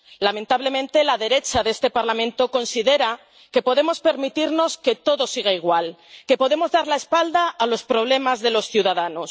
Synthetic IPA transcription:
lamẽnt̪aβle̞mẽnt̪e̞laðe̞ɾe̞t͡ʃaðe̞st̪e̞paɾlamẽ̞nt̪o̞ko̞nsiðe̞ɾa | ke̞po̞ðe̞mo̞spe̞ɾmit̪iɾno̞ske̞t̪o̞ðo̞siɣ̞aiɣ̞walke̞po̞ðe̞mo̞zðaɾlae̞spald̪aːlo̞spɾo̞β̞le̞mazðelo̞sθjuðaðano̞s

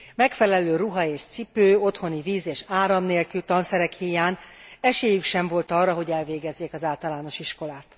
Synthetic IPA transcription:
mɛkfɛlɛløːruɦɒeːʃt̪sipøːo̞t̪ho̞niviːzeːʃaːɾɒmneːlkylt̪ɒnsɛɾɛkhijaːnɛʃeːjykʃɛɱvo̞lt̪ɒrːɒɦo̞ɟɛlveːɡɛzːeːkɒzaːlt̪ɒlaːno̞ʃiʃko̞laːt̪

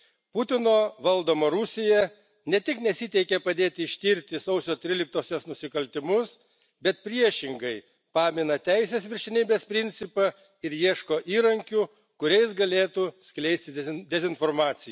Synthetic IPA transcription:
pʊt̪ʲɪnoːʋɐlˠd̪oːmoːɾʊsʲɪjɛ | nʲɛt̪ʲɪknʲɛsʲɪt̪ʲɛɪkʲɛpɐd̪ʲeːt̪ʲɪɪʃʲt̪ʲiːɾʲt̪ʲɪsɐʊsʲoːt̪ʲɾʲɪlʲɪk̚t̪oːsʲosnʊsʲɪkɐlʲt̪ʲɪmʊs | bʲɛt̪̚pʲɾʲiɛʃʲɪŋɡɐɪ | pɑːmʲɪnɐt̪ʲæɪsʲeːsʋʲɪɾʲʃʲɛnʲiːbʲeːspʲɾʲɪnʲt̪sʲɪpɐ | ɪɾjiɛʃkoːʔiːɾɐŋʲkʲu | kʊɾʲɛɪsɡɐlʲeːt̪uːsʲklʲɛɪsʲt̪ʲɪd̪ʲɛzʲɪnfoːɾmɑːt̪sʲɪj

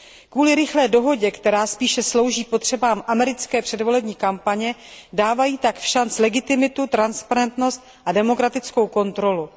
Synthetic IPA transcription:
kvuːlɪɾɪxlɛːdo̞ɦo̞ɟɛkt̪ɛɾaːspiːʃɛslo̞wʒiːpo̞t̪r̝̥ɛbaːmʔamɛɾɪt͡skɛːpr̥ɛdvo̞lɛbɲiːkampaɲɛdaːvajiːt̪akfʃant͡slɛɡɪt̪ɪmɪt̪ut̪ɾanspaɾɛnt̪no̞st̪̚ | ʔadɛmo̞kɾat̪ɪt͡sko̞wko̞nt̪ɾo̞lu

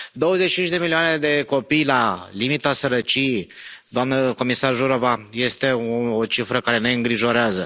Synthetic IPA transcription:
d̪o̞wəzet͡ʃit͡ʃint͡ʃd̪e̞milioane̞d̪e̞ko̞pijlalimit̪asəɾət͡ʃijejd̪oamnəko̞misarʒuɾovaje̞st̪e̞oot͡ʃifɾəkaɾe̞ne̞ɨŋɡɾiʒo̞ɾeazə

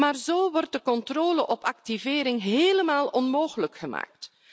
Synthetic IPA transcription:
maːrzoːʋɔrt̚dəkɔntroːləʔɔpɑktiveːɾɪŋɦeːləmaːlˠɔnmoːɣələkxəma̰ːk̚t

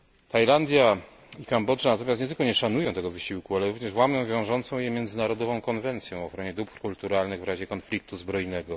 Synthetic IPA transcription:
t̪ajland̪ʲja | ikambɔʐanat̪ɔmjasɲɛt̪ɘlkɔɲɛʂanujɔ̃w̃t̪ɛɡɔvɘɕiwkualɛɾuvɲɛʂwamʲjɔ̃w̃vʲjɔ̃w̃ʐɔnt̪sɔ̃w̃jɛmʲjɛnd̪zɘnaɾɔd̪ɔvɔ̃w̃kɔnvɛnt̪sʲjɛ̃ɔxɾɔɲɛd̪upkult̪uɾalnɘɣvɾaʑɛkɔnflʲik̚t̪uzbɾɔjnɛɡɔ

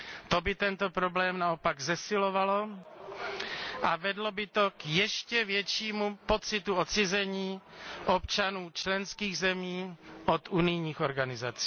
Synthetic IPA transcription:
t̪obɪt̪ɛnt̪o̞pɾo̞blɛːmnao̞paɡzɛsɪlo̞valo̞ | ʔavɛdlo̞bɪt̪o̞kjɛʃcɛvjɛt͡ʃiːmupo̞t͡sɪt̪uo̞t͡sɪzɛɲiːʔop̚t͡ʃanuːt͡ʃlɛnskiːɣzɛmiːʔo̞t̪ʔunɪjɲiːxo̞ɾɡanɪzat͡si̥ː

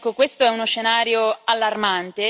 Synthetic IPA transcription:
kːokwest̪oɛunosʃːenaːɾjoalːarmant̪e

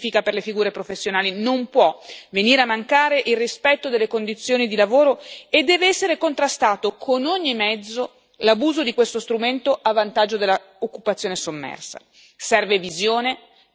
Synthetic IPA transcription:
fikaperlefiɡuːɾepɾofesːjonaːlinompwɔveniːɾeamːaŋkaːɾeʔilrːispɛt̪ːod̪elːekond̪it̪sːjoːnid̪ilavoːɾoed̪ːɛːveɛsːeɾekont̪ɾast̪aːt̪okʰonoɲːimɛd̪zːo | labuːzod̪ikwest̪ost̪ɾument̪oʔavːant̪ad͡ʒːod̪elːa | okːupat̪sːjoːnesomːɛ̰rsa̰ | sɛrvevizjoːne

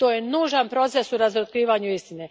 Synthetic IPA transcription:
t̪oːjenuːʒanpɾo̞t̪se̞suɾazɾot̪̚kɾiːʋaːɲuist̪ine

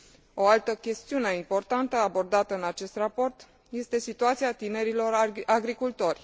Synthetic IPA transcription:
o̞alt̪əkʲe̞st̪iune̞impo̞rt̪ant̪əabo̞rd̪at̪əɨnat͡ʃe̞st̪rapo̞rt̪ | je̞st̪e̞sit̪uat̪siat̪ine̞ɾilo̞raɡɾikult̪o̞rʲ

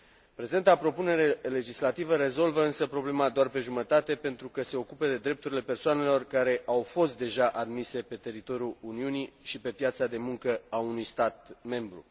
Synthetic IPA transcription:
pɾezid̪ent̪apɾo̞pune̞ɾele̞d͡ʒislat̪ivəɾe̞zo̞lvəɨnsəpɾo̞ble̞mad̪oarpe̞ʒumət̪at̪e̞pe̞nt̪ɾukəse̞o̞kuped̪e̞d̪ɾep̚t̪uɾile̞pe̞rsoane̞lo̞rkaɾe̞ʔawfo̞st̪̚d̪e̞ʒaʔad̪mise̞pe̞t̪e̞ɾit̪o̞ɾjuuniuniʃipe̞pjat̪sad̪e̞muŋkəaunujst̪at̪̚me̞mbɾṵ

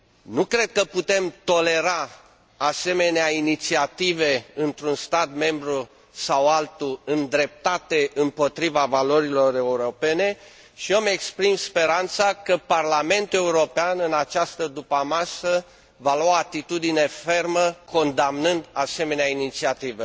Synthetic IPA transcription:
nukɾe̞d̪̚kəput̪e̞mt̪o̞le̞ɾa | ase̞me̞neainit̪siat̪ive̞ɨnt̪ɾunst̪at̪me̞mbɾu | sawalt̪uɨnd̪ɾe̞p̚t̪at̪e̞ʔɨmpo̞t̪ɾivavalo̞ɾilo̞ɾe̞uɾo̞pe̞ne̞ | ʃiomekspɾimspe̞ɾant̪sakəparlame̞nt̪ue̞uɾo̞peanɨnat͡ʃast̪əd̪upamasə | valaat̪it̪ud̪ine̞fe̞rməko̞nd̪amnɨnd̪ase̞me̞neainit̪siat̪ivə

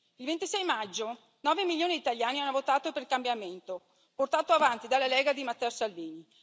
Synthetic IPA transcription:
ilvent̪isɛjmad͡ʒːo | nɔːvemiljoːnid̪it̪aʎjaːnianːovot̪aːt̪opeɾilkambjament̪o | port̪aːt̪oavant̪id̪alːalɛːɡad̪imat̪ːɛːosalviːni

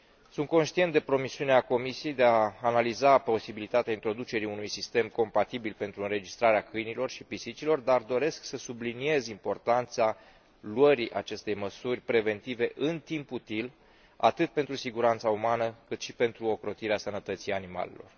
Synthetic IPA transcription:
sunt̪̚ko̞nʃt̪ient̪d̪epɾo̞misiuneako̞misije̞jd̪eaːnalizapo̞sibilit̪at̪eaint̪ɾo̞d̪ut͡ʃe̞ɾiunujsist̪e̞mko̞mpat̪ibilpe̞nt̪ɾuɨnɾe̞d͡ʒist̪ɾaɾeakɨjnilo̞rʃipisit͡ʃilo̞rd̪ard̪o̞ɾe̞sksəsublinie̞zimpo̞rt̪ant̪sa | luəɾiʔat͡ʃe̞st̪e̞jməsurʲpɾe̞ve̞nt̪ive̞ʔɨnt̪imput̪il | a̰t̪ɨt̪̚pe̞nt̪ɾusiɡuɾant̪saumanəkɨt̪ʃipe̞nt̪ɾuo̞kɾo̞t̪iɾeasənət̪ət̪sijanima̰le̞̰lo̞̰r

